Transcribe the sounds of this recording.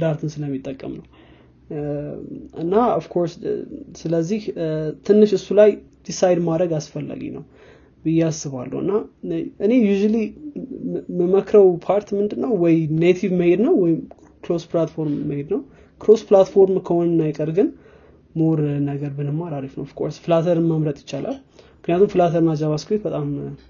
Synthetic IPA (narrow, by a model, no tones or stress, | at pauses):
d̪aɾt̪ʰɨnsɨləmːit̪ʼːəkʼːə̰mnəw | ɨnːaofkʰo̞ɾssɨləzːiht̪ʰɨnːɨʃɨsːulajd̪̥isajd̪mad̪ɾəɡasfəlːa̰ɡḭnə̰w | bɨjːɛasɨβa̰lːə̰hɨ̰nːaʔɨne̞juʒuli | məməkʰɾəwpʰaɾt̪mɨnd̪ɨnːəwwɔjnet̪ʰivməhed̪nəwːɔjɪm | klosplat̪fo̞ɾmːəhed̪nəw | kʰɾosplat̪fo̞ɾmkʰəhonɨnajkʼəɾɡɨn | moɾnəɡəɾbɨnəmːaɾaɾifnəwfɨ̥kʼo̞̰ɾsfɨlat̪ʰəɾɨnməmɾət̪ʼjɪ̥t͡ʃːalʔa̰l | mɨknijat̪ʰumfɨlat̪ʰəɾɨnad͡ʒaβaskʰwet̪̚bət̪ʼam